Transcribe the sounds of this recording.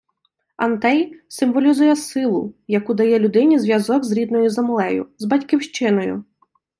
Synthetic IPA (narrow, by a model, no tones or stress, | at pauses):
ɐnt̪ɛjsɪmʋɔlʲizujɛsɪlˠʊ̰jɐkud̪ɐjɛlʲʊd̪ɪnʲizʋjɐzɔɡzɾʲid̪nɔjʊzɐmlˠɛjʊ̰zbɐtʲkiwʃt͡ʃɪnɔjʊ̰